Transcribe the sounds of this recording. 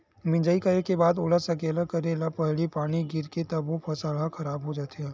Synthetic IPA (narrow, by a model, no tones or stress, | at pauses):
mɪ̃d͡ʒəikaekebaːd̪oːləsɐkeːlakɐɾelapɛɦlipaːɽ̃iɡɪɾket̪ɐbʋopʰɐsaːɽaxʰɐɾaːbɦod͡ʒaːt̪eaː